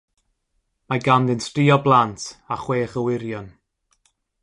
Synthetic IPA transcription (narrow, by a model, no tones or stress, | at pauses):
maɡamðɪnstriːɔblˠantʰaχweːχəwɪɾjɔn